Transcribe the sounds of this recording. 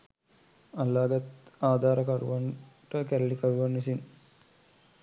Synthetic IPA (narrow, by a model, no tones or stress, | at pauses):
ɐlːaːɡɐt̪aːd̪ʱaːɾəkɐɾṵʋɐnʈəkæɾɐlikɐɾuʋɐnːisin